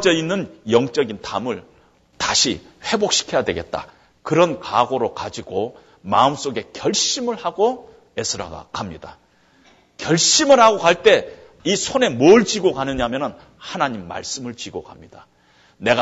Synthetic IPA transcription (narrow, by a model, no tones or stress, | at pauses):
d͡ʑeinːɯnjʌŋt͡ɕ͈ʌɡintamɯɭ | taɕʰi | ɸe̞bok̚ɕ͈ʰi̥kʰe̞jadwe̞ɡe̞̰t̚t͈a̰ | kɯɾʌnkaɡoɾokad͡ʑiɡo | ma̰ɯms͈oɡe̞kjʌɭɕ͈imɯɭhaɡo | e̞sʰɯɾa̰ɡa̰kamɲida | kjʌɭɕ͈imɯɭhaɡokaɭt͈e̞ | isʰone̞mʌɭt͡ɕiɡokanɯɲamjʌnɯn | hanaɲimːa̰ɭs͈ɯmɯɭt͡ɕiɡoka̰mɲida | ne̞ɡa